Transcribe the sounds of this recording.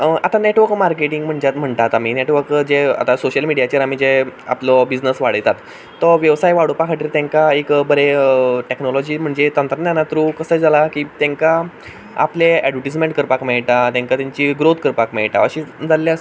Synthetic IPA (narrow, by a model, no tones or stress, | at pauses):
əat̪aneʈʋəɾkmaɾkeʈiŋɡm̤əɳd͡ʑat̪m̤əɳt̪at̪amineʈʋəɾkd͡ʑea̰t̪asoɕəlmiɽijat͡ɕeɾamiːd͡zea̰plɔbid͡znəsʋaɽəjt̪at̪ː | ɔʋjəʋsajʋaɽupakʰaʈiɾt̪ãŋkaekbəɾeəʈeknɔlɔd͡ʑiːm̤əɳd͡zet̪ənt̪ɾənanat̪ɾukəsəjd͡zalakiːt̪jẽŋka | a̰pleɛɖʋəʈismẽɳʈkəɾpakmɛɭʈ̪at̪jãŋkat̪jaɲt͡ɕiːɡɾot̪ʰkəɾpakmɛɭʈa̰əɕid͡zalːjas